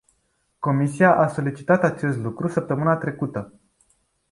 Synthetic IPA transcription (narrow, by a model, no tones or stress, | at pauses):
ko̞misiaʔaso̞lit͡ʃi̥t̪at̪at͡ʃe̞st̪lukɾusəp̚t̪əmɨnat̪ɾe̞kut̪ə